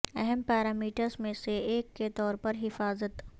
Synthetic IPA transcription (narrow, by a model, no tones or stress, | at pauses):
ɛ̰ɦɛmpɛːɾaːmiːʈəɾzmẽseeːkːet̪ɔːɾpɐɾɦɪfaːzət̪